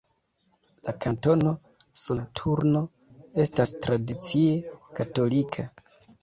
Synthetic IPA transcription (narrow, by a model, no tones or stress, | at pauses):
lakʰanto̞no̞ | soltʰuɾno̞ | e̞stastɾadit͡siekato̞likʰa